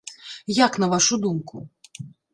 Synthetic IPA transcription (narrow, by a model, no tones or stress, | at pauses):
jaknɐvaʂud̪umku